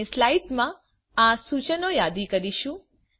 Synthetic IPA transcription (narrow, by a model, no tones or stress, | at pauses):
eslaiʈmã | asut͡ʃənojad̪ikəɾiʃũ